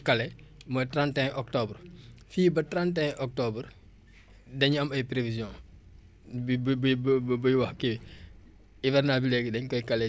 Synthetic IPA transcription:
kɐlɛmɔtɾãntɛ̃ʔɔk̚tɔbrfiːbɐtɾãntɛ̃ʔɔk̚tɔbɾ | dɐɲɐmɐjpɾevizjɔ̃ | bbbbbujwɐxki | ivɛrnabilɛɡdɐɲkɔjkɐlɛ

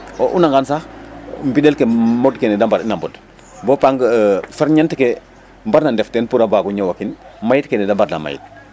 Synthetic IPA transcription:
oʔunaŋɡansaxmbidelkemɔdkenɛdambaɾinambɔd | bopaŋɡfaɾɲantike | mbaɾnandɛftenpuɾabaɡuɲawakinmajit̚kenɛdambaɾna̰ma̰jḭt̚

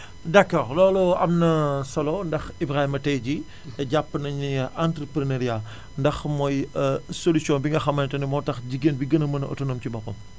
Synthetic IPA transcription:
dɐkːɔːrlɔːluɐ̰mnɐsɐlɔndɐxibɾahimɐtɛɟi | ɛɟapːnɐɲiʔantɾəpɾinɐɾia | ndɐxmɔːjsolusjɔ̃nbiŋɡɐxɐmɐntɐnimɔtɐxɟiɡenbiɡənɐmɐnʔə̰tunɐmcibɔpːɐ̰m

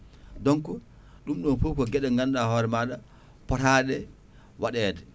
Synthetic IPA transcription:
dɔŋkɔ | ɗumɗɔnfukɔɡɛɗɛŋɡanɗahɔːɾɛmaːɗa | pɔtaːɗɛ | waɗɛːdɛ

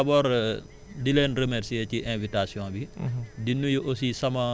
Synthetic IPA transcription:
abɔːɾ | dileːnrəmɛɾsieciʔɛ̃vitasjɔ̃ːbidinːujuʔosisɐmɐ

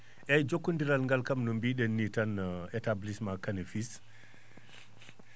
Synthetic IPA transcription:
ʔɛjd͡ʒokːundiɾalŋɡalkamnɔmbiːɗɛnːitanɛtablismakanɛfis

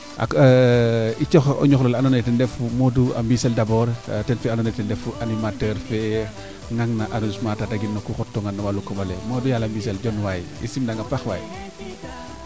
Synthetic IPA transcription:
ʔa̰kː | it͡ʃɔxɔ̰ɲɔxlɔlanɔnɛtɛndɛfumɔdua̰mbisɛldɐbɔɾtɛnfɛanɔnɛtɛndɛfuʔanimatəɾfɛ | ŋaŋnɐʔanunusmatataɡinːɐkuxɔtːɔŋɡanːɐwalukɔmɐlɛmoːdujalambiːsɛlɟɔnwajḭsimdaŋɡapaxwa̰ji

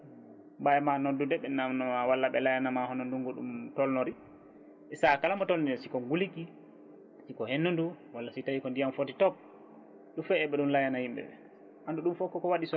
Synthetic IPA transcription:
bajmanodːudɛɓɛnamnɔmawalːaɓɛlajanamahɔnɔnduŋɡɔɗumtɔlnoɾi | ɛsakalamɔtolnidɛsikɔŋɡuliki | sikɔhenːundu | walːasitajikɔndijamfotitɔp̚ | ɗumfɛɛɓɛɗumlajanahimbɛ̰ɛ̰ | handuɗumfɔkːɔkɔwaɗisɔ

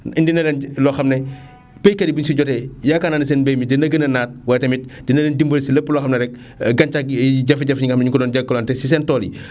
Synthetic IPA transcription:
indinɐlɛnlɔxɐmnɛ | pejkɐdibinsiɟɔtɛjakananis̬ɛːnbejmidinɐɡɐnɐnaːt̚wɐjtɐmit̚dinɐlɛndimbəlsilɐpːəlɔːxɐmnɐɾɛk̚ | ɡɐnt͡ʃak̚ɟɐfiɟɐfɲiŋɡxɐmnɲuŋkɔdɔːnɟɐkːɐlɔntɛsis̬ɛntɔːlḭ

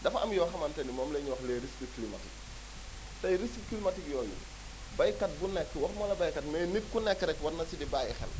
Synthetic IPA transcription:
dɐfɐ̰mjɔːxɐmɐntɛnimɔːmlɛɲuwɐxlɛːɾiskiklimɐ̰ti | tɐjɾiskikilimɐtikjɔːjṵ | bɐjkɐt̚bunɛkːɛwɐxmɐlɐbɐjkɐtmɛːnit̚kunɛkːɛɾɛkwɐtnɐsidibaːjixɛ̰l

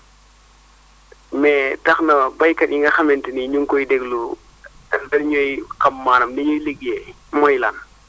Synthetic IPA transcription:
mɛːtɐxnɐbɐjkɐtiŋɡɐxɐmɛntiniɲuŋkɔjdɛɡlu | dɐnɲɔjkɐmːaːnɐmdiɲɔjleɡɛ | mɔjlaːn

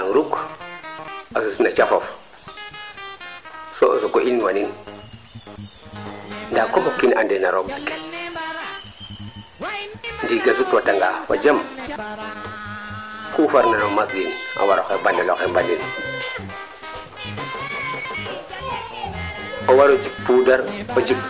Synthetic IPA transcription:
aŋɾuk | asusnat͡ʃafof | soʔo̰sokoʔinwanin | ndakofokːinandenaɾokdik | ndiɡasutwataŋɡawa̰d͡ʒam | kufaɾnanomasjina̰waɾokebanːalokembanin | owaɾod͡ʒik̚pudaɾod͡ʒik

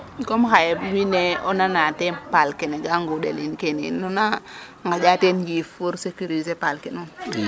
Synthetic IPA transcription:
komxajewineɔnanatɛnpalkɛneɡaŋɡudḛlinkenḭnona | ŋɡad͡ʒatenjifuɾsekuɾizepalkɛnun

